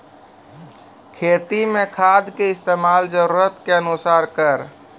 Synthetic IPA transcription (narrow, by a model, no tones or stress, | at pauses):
kʰeːt̪imẽkʰad̪ʱkeɪst̪eːmaːld͡ʒəɾuɾət̪keənusaːɾkəɾ